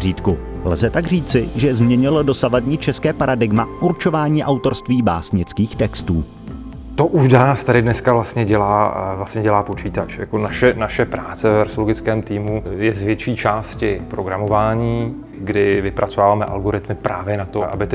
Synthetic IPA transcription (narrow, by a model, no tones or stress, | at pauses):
riːt̪ku | lzɛt̪aɡriːt͡sɪʒɛzmɲɛɲɪlodo̞savadɲiːt͡ʃɛskɛːpaɾadɪɡmaʔuɾt͡ʃo̞vaːɲiːʔawt̪o̞ɾst̪viːba̰ːsɲɪt͡skiːxt̪ɛkst̪uː | t̪oʔuʃdanst̪adɪdnɛskavlast̪ɲɛɟɛlaːvlastɲɛɟɛlaːpo̞t͡ʃiːt̪at͡ʃja̰konaʃɛnaʃɛpɾaːt͡sɛvɛvɛɾsoloɡɪt͡skɛːmt̪iːmujɛzvjɛt͡ʃiːt͡ʃaːscɪpɾoɡɾamovaːɲiː | ɡdɪvɪpɾat͡sovaːvaːmɛʔa̰lɡoɾɪt̪mɪpɾaːvjɛnat̪oʔa̰bɪt̪